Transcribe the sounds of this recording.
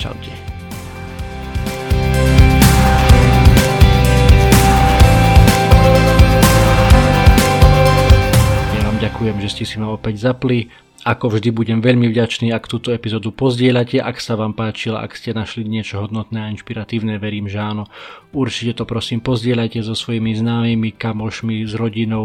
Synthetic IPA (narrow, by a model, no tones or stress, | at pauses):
t͡ʃa̰ʊcɛ | aʋaːmɟakujɛmʒɛscɛsimaɔpɛɟzapli | akɔvʒd̪ibuɟɛmʋɛʎmivɟat͡ʃniːakt̪uːt̪ɔɛpizɔːd̪upɔzɟɪɛʎacɛʔaksaʋaːmpaːt͡ʃil̰a̰kscɛnaʃliɲɪɛt͡ʃɔɦɔd̪nɔt̪nɛːainʃpiɾat̪iːʊnɛʋɛɾiːmʒɛaːnɔuɾt͡ʃicɛt̪ɔpɾɔsiːmpɔzɟɪɛʎajcɛzɔsʋɔjimiznaːmimikamɔʃmizɾɔɟinɔʊ